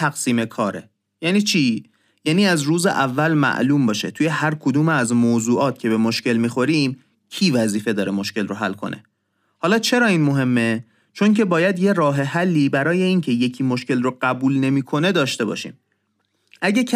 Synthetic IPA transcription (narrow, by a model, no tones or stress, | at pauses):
æɣsiːmekʰɒːɾḛ | jæːniːt͡ʃʰiː | jæːniːæzruːzḛʔævːælmæ̰ʔluːmbɒːʃe̞̰t̪ʰuːje̞hæɾkʰo̞d̪uːmeæzmoːzuːʔɒːt̪̚ʰcʰe̞bemoʃce̞lmiːxo̞ɾiːm | cʰiːvæziːfe̞d̪ɒːɾemo̞ʃce̞lroɦælːkʰo̞̰nʔe̞̰ | hɒːlɒːt͡ʃʰe̞ɾɒːiːnmo̞ɦe̞mːe̞ | t͡ʃʰo̞ŋcʰe̞bɒːjæd̪je̞ɾɒːɦe̞ɦælːiːbæɾɒːje̞iːncʰe̞je̞cʰiːmoʃce̞lroɢæbuːlne̞miːkʰo̞ne̞d̪ɒːʃt̪e̞bɒ̰ːʃḭːm | ʔæɟækʰ